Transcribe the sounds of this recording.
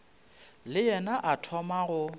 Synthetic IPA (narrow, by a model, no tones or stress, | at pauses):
lɪjɛnaʔatʰɔmaɣʊ